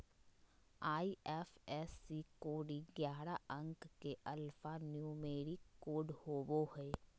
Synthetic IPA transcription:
aːiɛːfɛːsːikoːɽiɡjaːɾaə̃ŋkkeʔɐlfanjuːmeːɾikːoːɖhoːboɦɛː

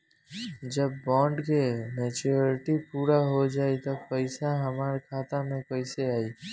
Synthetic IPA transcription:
d͡ʒəbːɔ̃ɳɖkemet͡ʃuɾiʈipuɾaɦod͡ʒaːit̪ɔpəɪsaɦəmaɾkʰat̪amẽpəɪseaːi

